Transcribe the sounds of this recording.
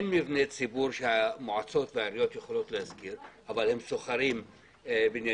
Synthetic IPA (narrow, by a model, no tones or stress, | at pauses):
enmivnet͡sibuɾʃehamoʕat͡so̞t̪vehaɾijo̞t̪jeχolo̞t̪lehazkiɾʔavalhe̞msoχaɾim | binja